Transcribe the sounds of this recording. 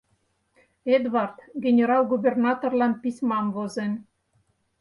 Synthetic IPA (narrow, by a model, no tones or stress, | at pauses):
ed̪βɑrt̪ɡenʲeɾɑlɡubʲernɑt̪orlɑnpisʲmɑmvozen